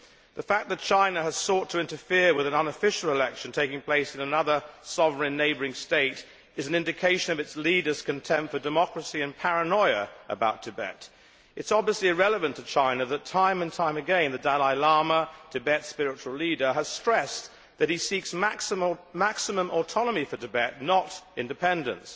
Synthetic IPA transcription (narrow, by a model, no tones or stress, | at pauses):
ðɨfæk̚ðɨt̚t͡ʃʰãɪ̃nɨɨz̥sɔtʰɨɪ̃ntəfɪɹwɨðɨ̃nʌ̃nəfɪʃl̩ˠəlɛkʃɨ̃n̩tʰeɪkɪ̃ŋpʰl̥eɪsɨ̃nɨnʌðə˞sɑvə˞ɨ̃nːeɪbə˞ɪ̃ŋsteɪɾ | ɨzn̩ɪ̃ndɨkʰeɪʃɨ̃nʌvɨtsliɾə˞z̥kʰɨ̃ntʰɛ̃mp̚tfə˞dɨmɑkɹɨsiɨ̃npʰæɹɨnɔɪɨʔə̰baʊtʰɨbɛ̰ɾ | ɨtsɑbviəsliɨɹɛlˠəvɨ̃ntʰɨt͡ʃʰãɪ̃nɨðɨtʰãɪ̃mɨ̃ntʰãɪ̃mɨɡɛ̃ɪ̃nðɨdælaɪlɑɹmətʰɨbɛtspɪɹɨt͡ʃul̩liɾə˞əz̥stɹ̥ɛs | ðɨt̚hisiksmækmæksɨmə̃mʔətʰɑnəmifə˞tɨbɛtⁿnəɾɪ̃ndɨpʰɛ̃ndɨ̰̃ns